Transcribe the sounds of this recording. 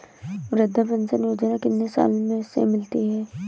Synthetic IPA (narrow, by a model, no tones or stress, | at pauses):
ʋɾɪd̪ʱːabə̃nsənjoːd͡ʒnakɪnnesa̰ːlmẽsḛmɪlt̪iɦɛː